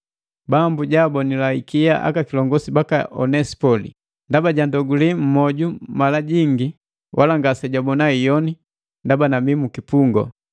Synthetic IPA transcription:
bambuɟabɔnilaikiaʔa̰kakilɔŋɡɔsibakaʔɔ̰nɛsi̥pɔlḭ | ndabaɟandɔɡulim̩mɔɟumalaɟiŋɡi | wʔalaŋɡasɛɟabɔnaijɔni | ndabanamimukipuŋɡɔ̰

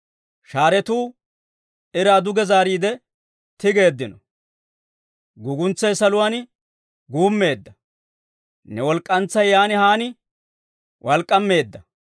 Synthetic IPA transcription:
ʃaːɾɛt̪uː | ɪɾaːd̪ʊɡɛzaːɾiːd̪ɛ | t̪ɪɡe̞ːd̪ːɪnɔ | ɡʊɡʊnt͡sːɐjsɐlʊwaːn | ɡuːmːe̞ːd̪ːɐ | nɛwɔlkʼːɐnt͡sːɐjːaːnɪhaːnɪ | wʔɐlkʼːɐmːe̞ːd̪ːɐ

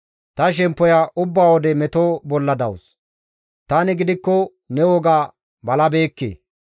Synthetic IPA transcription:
t̪ɐʃ̬ɛmpːɔjaʔʊbːaːwɔd̪ɛmɛt̪oːbɔlːɐd̪ɐwʊs | t̪aːnɪɡɪd̪ɪkːɔ | nɛwɔɡaː | bɐlɐbe̞ːkːḛː

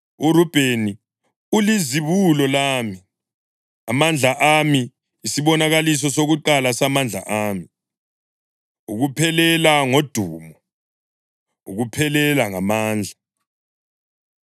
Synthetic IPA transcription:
urub̥ʱeni | uliziβulɔlaːmi | amand͡ɮʱaʔamiː | siβɔnaɣalis̬ɔsoɣuǃalasamand͡ɮʱa̰ʔaːmi | uɣupʰɛlɛlaŋod̥ʱuːmɔ | uɣupʰɛlɛlaŋamaːnd͡ɮʱa

